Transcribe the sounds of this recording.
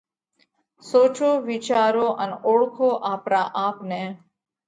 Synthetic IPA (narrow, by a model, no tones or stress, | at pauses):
soːt͡ʃoːʋit͡ʃaːɾoːʔənoːɽkʰoːʔaːpɾaːʔaːpneː